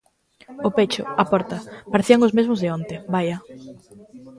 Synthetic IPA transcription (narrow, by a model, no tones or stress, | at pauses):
ʊpet͡ʃʊ̰apɔɾt̪ɐpaɾeθiaŋʊzmezmʊzðɪɔnt̪ebaja